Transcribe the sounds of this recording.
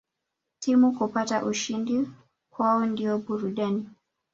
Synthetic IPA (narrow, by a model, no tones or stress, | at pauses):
timukupataʔuʃindi | kwaɔndiɔɓuɾuɗani